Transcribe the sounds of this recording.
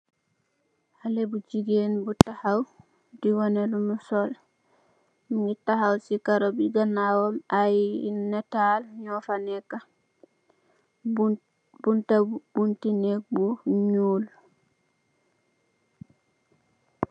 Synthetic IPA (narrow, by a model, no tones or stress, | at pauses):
halɛbud͡ʒiɡenbutahaw | diwɔnɛlumusɔl | miŋɡitahawsikaɾɔbiɡanːawɔmajnɛtalɲɔfanɛka | buntabuntinek̚buɲuːl